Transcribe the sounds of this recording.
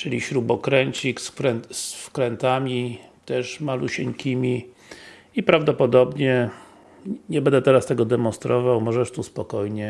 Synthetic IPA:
t͡ʂɨlʲiɕɾubɔkɾɛɲt͡ɕiksɾɛnsfkɾɛnt̪amʲit̪ɛʂmaluɕɛɲkʲʰimʲi | ipɾavd̪ɔpɔd̪ɔbɲɛ | ɲɛbɛnd̪ɛt̪ɛɾast̪ɛɡɔd̪ɛmɔ̃nst̪ɾɔvawmɔʐɛʂt̪uspɔkɔjɲɛ

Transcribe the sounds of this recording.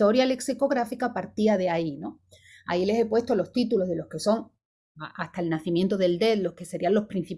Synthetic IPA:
o̞ɾjale̞ksiko̞ɣ̞ɾafikapaɾt̪iað̞eaino | a̰ile̞se̞pwe̞st̪olo̞st̪it̪ulo̞ɦðe̞lo̞hke̞so̞ŋ | aʔaht̪aelnaθimjent̪oðe̞ld̪e̞t̪lo̞hke̞se̞ɾialo̞hpɾĩn̟θi

